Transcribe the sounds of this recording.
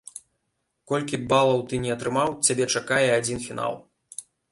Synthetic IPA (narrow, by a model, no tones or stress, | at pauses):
kɔlʲkʲibalˠɐwt̪ɨnʲɛɐt̪ɾɨmawt͡sʲabʲɛt͡ʂakajɛad͡zʲinfʲina̰lˠ